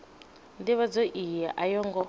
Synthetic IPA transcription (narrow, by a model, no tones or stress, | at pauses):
ndiβad͡zɔʔijaʔajɔŋɡɔ